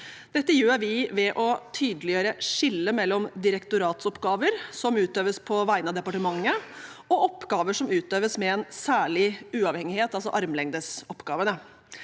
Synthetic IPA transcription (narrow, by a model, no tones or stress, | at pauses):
d̪ɛt̪ːəjøːɾʋɪʋɛʔɔt̪ʰyːd̪əlɪjøːɾəʂɪlːəmɛlːɔmd̪ɪɾɛkt̪ʊɾɑːt̪sɔpɡɑːʋəɾsɔmʉːt̪øːʋəspʰɔʋæɪnɑd̪ɛpɑʈəmɑŋːə | ɔʔɔpːɡɑːʋəʂɔmʉːt̪øːʋəsmɛɛnsæːɭɪʉːɑːʋhɛŋɪheːt̪ɑlsɔ̰ʔɑɾmlɛŋd̪əsɔpːɡɑːʋənə